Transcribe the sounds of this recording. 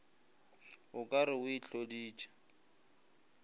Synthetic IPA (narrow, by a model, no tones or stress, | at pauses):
ʊkʼaɾɪwit͡ɬodiːt͡ʃʼḁ